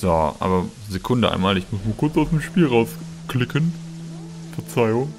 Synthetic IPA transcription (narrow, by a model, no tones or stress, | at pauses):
z̥oʔa̰ːbɐ | zekʰʊndəʔa̰ɪnmaːlɪçmʊsmaːkʰʊɐt͡saʊsd̥emʃpiːlʁaʊs | klɪkʰən | fɛɐt͡saɪʊŋ